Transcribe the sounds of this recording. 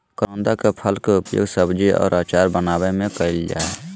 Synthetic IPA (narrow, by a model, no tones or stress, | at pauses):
kɾõnd̪akepʰəlkeʊpjo̰ːɡsəbd͡ʒiʔɔ̰ːɾaːt͡ʃaːɾbənaːbemẽkəild͡ʒa̰ːe